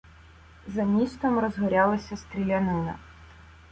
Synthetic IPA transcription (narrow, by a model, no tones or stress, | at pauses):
zɐmʲist̪ɔmɾɔzɦɔɾʲɑlˠɐsʲɐst̪ɾʲilʲɐnɪnɐ̰